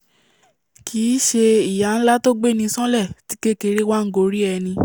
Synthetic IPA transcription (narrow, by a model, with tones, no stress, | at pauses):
kʰiː˨˦ʃe˧i˨ja˨˦n̩˦la˦to˦ɡ͡be˦˨nĩ˧sɔ̃˦lɛ˦˨ti̥˨˦ke˦ke˧ɾe˦wa˦ŋ̩˦ɡo˧ɾi˦ɛ˧nĩ˧